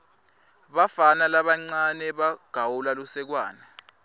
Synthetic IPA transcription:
ɓafanalaɓaŋ͡ǀanɛɓaɡ̥ʱawulalusɛk̬waːnɛ

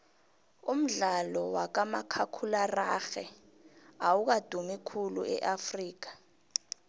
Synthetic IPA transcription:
um̩ɮalɔwak̬amakʰakʰularaxɛ | awuk̬ad̥ʱumikʰulṵɛ̰ʔafriːk̬ḁ

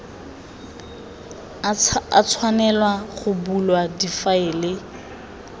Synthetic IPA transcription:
a̰t͡sʰwanɛlwaχʊbulwadifaɪlɪ

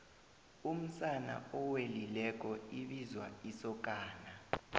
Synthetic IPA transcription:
um̩sana̰ɔwelilɛk̬ʼɔiɓizwa̰isɔk̬ʼaːna

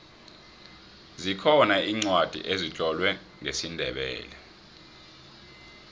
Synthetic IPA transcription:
zikʰɔnaiːŋ͡ǀwad̥ʱḭʔezit͡ɬʼɔlwɛ | ŋesindʱɛɓɛ̰ːlɛ

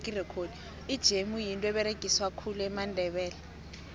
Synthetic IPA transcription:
kʼirɛkʰodi | id̥ʒ̥ʱemujintʼɔɛɓɛɾeɡ̥ʼʱiswakʰuluɛmandʱɛɓɛːlɛ

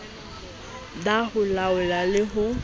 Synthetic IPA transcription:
dahʊlaʊlalɪɦʊ

